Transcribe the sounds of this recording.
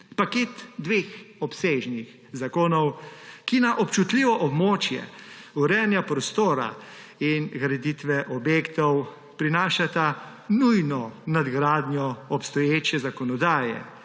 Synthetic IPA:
pakeːt̪d̪ʋeːxɔpseːʒnix | zakoːnɔwkinaʔɔpt͡ʃut̪liʋɔʔɔbmoːt͡ʃjɛ̰uɾɛːnjapɾɔst̪oːɾa̰ | inɡɾɛd̪it̪ʋɛʔɔbjeːkt̪ɔw | pɾinaːʃat̪a | nujnɔnad̪ɡɾaːd̪nʲjɔɔpst̪ɔjeːt͡ʃjɛzakɔnɔd̪aːjɛ̰

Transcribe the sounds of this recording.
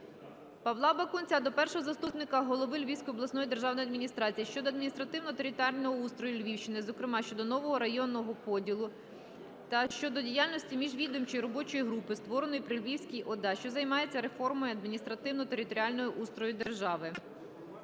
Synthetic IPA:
pɐʋlˠɑbɐkunt͡sʲad̪ɔpɛrʃɔɦɔzɐst̪upnɪkɐɦɔlˠɔʋɪlʲʋʲiwsʲkɔjɔblˠɐsnɔjid̪e̞rʒɑwnɔjɐd̪ʲmʲinʲist̪ɾɑt͡sʲijiʃt͡ʃɔd̪ɔɐd̪minʲist̪ɾɐt̪ɪwnɔt̪eɾʲɪt̪alʲnɔɦɔust̪ɾɔjʊlʲʋʲiwʃt͡ʃɪnɪzɔkɾɪmɑʃt͡ʃɔd̪ɔnɔʋɔɦɔɾɐjɔnːɔɦɔpɔdʲilˠʊ | t̪ɐʃt͡ʃɔd̪ɔdʲijalʲnɔsʲtʲimʲiʒʋʲid̪ʊmt͡ʃɔjiɾɔbɔt͡ʃɔjiɦɾupɪst̪ʋɔɾenɔjipɾɪlʲʋʲiwsʲkʲijʔɔd̪ɑʃt͡ʃɔzɐjmɑje̞t͡sʲːɐɾefɔrmɔjɐd̪mʲinʲist̪ɾɐt̪ɪwnɔt̪eɾɪt̪ɔɾʲialʲnɔjʊʔust̪ɾɔjʊd̪erʒɑʋɪ

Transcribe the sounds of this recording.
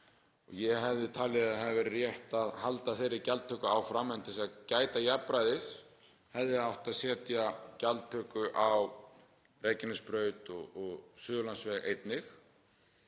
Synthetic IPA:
ɔɣjɛɦɛvðɪt̪ʰaːlɛðaɦavɪɾːjɛht̪aðhalt̪aθejɾɪcalt̪ʰːœkʏawfɾamːɛnt̪ʰɪsacaːjt̪ajapɾajðɪs | hɛvðɪaðawht̪aðsɛːt̪jacalt̪ʰːœkʏʔaw | reːjcɪnɪspɾœːɥt̪ɔɣɔɣsʏːðʏlansvɛɣʔḛjt̪nɪx

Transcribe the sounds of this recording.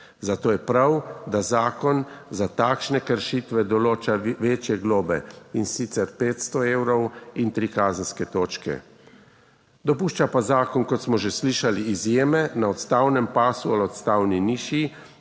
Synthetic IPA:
zat̪oːjɛpɾawd̪azaːkɔnzat̪aːkʃnɛkəɾʃit̪ʋɛd̪ɔloːt͡ʃaʋeːt͡ʃjɛɡloːbɛ̰insit̪sɛɾpeːt̪st̪ɔeːwɾɔwint̪ɾikaːzənskɛt̪oːt͡ʃkɛ̰ | d̪ɔpuːʃt͡ʃapazaːkɔnkɔt̪smɔʒesliʃaliːzjeːmɛnaɔt̪st̪awnɛmpaːsualɔt̪st̪aːwniniːʃi

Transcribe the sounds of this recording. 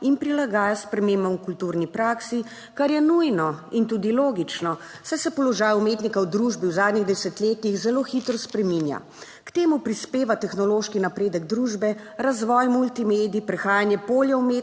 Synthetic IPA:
inpɾilaɡaːjaspɾɛmeːmbɔmukult̪uɾnipɾaːksi | kaɾjɛnujnɔint̪ud̪iloːɡit͡ʃnɔ | sɛsɛpɔlɔʒaːjumeːt̪nikawd̪ɾuʒbiwzaːd̪niɣd̪ɛsɛt̪leːt̪ixzɛloxit̪ɾɔspɾɛminja̰ | kt̪eːmupɾispeːʋat̪ɛxnɔloːʃkinapɾeːd̪əɡ̚d̪ɾuʒbɛ | ɾazʋɔjmult̪imeːd̪iipɾɛxaːjanjɛpoːljaume

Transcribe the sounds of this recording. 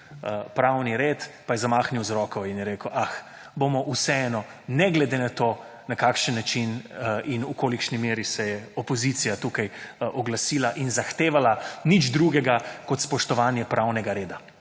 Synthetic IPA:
pɾawniɾeːt̪pajɛzamaːxniwzɾɔkɔinjɛɾeːkəwʔax | bomɔʔusɛɛnɔnɛɡlɛd̪enat̪o | nakaːkʃənːat͡ʃininukoːlikʃnimeːɾisɛjɛɔpɔzit̪sijat̪uːkajʔɔɡlasiːlaʔinzaxt̪eːʋalanid͡ʒd̪ɾuɡɛɡakɔt̪spɔʃt̪ɔʋaːnjɛpɾʔawnɛɡaɾeːd̪a

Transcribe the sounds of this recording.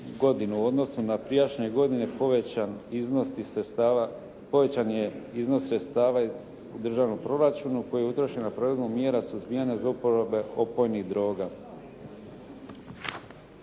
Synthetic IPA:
ɡo̞d̪inuo̞d̪no̞sunapɾijat͡ʃɲe̞ɡo̞d̪ine̞niznost̪i | po̞ʋe̞t͡ɕanjeizno̞sɾet̪st̪aːʋa | ud̪r̩ʒaʋnompɾo̞ɾat͡ʃunuko̞jijeut̪ɾo̞ʃe̞napɾoʋed̪bumje̞ːɾasuzbijaɲazaupoɾobe̞o̞po̞jnid̪ɾo̞ːɡa

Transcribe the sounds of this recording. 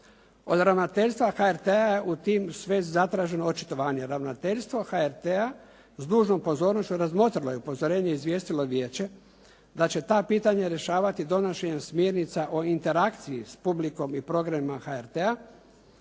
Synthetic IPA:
o̞̰d̪ɾaʋnat̪e̞ʎʲst̪ʋaxaeɾt̪eajeʔut̪iːmsʋe̞ːzzat̪ɾaːʒe̞noot͡ʃit̪o̞ʋaːɲeɾaʋnat̪e̞ʎʲst̪ʋo̞xaeɾt̪ea | zd̪uːʒno̞mpo̞zo̞ːɾno̞ʃt͡ɕuɾazmo̞t̪ɾiloje̞upo̞zo̞ɾe̞ːɲeizʋje̞ːst̪ilo̞ʋje̞ːt͡ɕe̞ | d̪at͡ɕe̞t̪aːpiːt̪aɲeɾje̞ʃaːʋat̪id̪o̞noʃeɲemsmjeɾnit̪saʔoint̪e̞ɾakt̪siispubliko̞mipɾo̞ɡɾaimaxaeɾt̪ea

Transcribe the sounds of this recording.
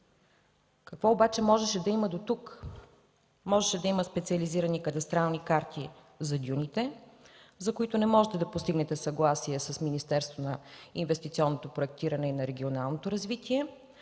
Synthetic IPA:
kɐkvɔobat͡ʃɛmɔʒɛʃɛd̪ɐimɐd̪ot̪uk | mɔʒɛʃɛd̪ɐiməspɛt̪siəliziɾənikət̪ɐst̪ɾalˠnikaɾt̪i | zɐd̪ʲjunit̪ɛ | zɐkoit̪ʊnɛmɔʒɛt̪ɛd̪ɐpost̪iɡnɛt̪ɛsɐɡlˠasiɛsɐsminist̪ɛɾst̪vonɐinvɛst̪it̪siɔnːot̪opɾoɛk̚t̪iɾɐnɛinɐɾɛɡʲionalˠnot̪oɾɐzvit̪iɛ

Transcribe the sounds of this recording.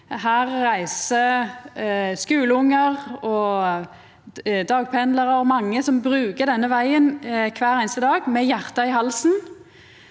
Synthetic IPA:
ɦæːʁːæɪsə | skʉːləʊŋːəʁɔ | d̪ɑːɡ̚pʰɛnləʁəɾɔmɑŋːəsɔmbʁʉːkəd̪ɛnːəʋæɪənkʰʋæːɾæɪnst̪əd̪ɑːɡmɛjæʁt̪ɑɪhɑlsn

